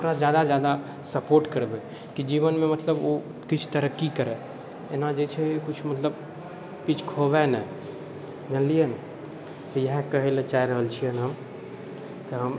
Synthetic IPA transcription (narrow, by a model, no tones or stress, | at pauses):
ʊkɾazjaːd̪azjaːd̪a | sɐpoːɾʈkəɾbe | kid͡ʒiːʋənmẽmɐt̪ləbo | kɪt͡ʃʰt̪əɾəkːikəɾe | enad͡ʒet͡ʃʰekʊt͡ʃʰmət̪ləb | pit͡ʃʰkʰoʋɛnɛ | nəliən | t̪əjəɦkəɦelet͡ʃaːiɾəɦəlt͡ʃʰiənɦəm | t̪əɦəm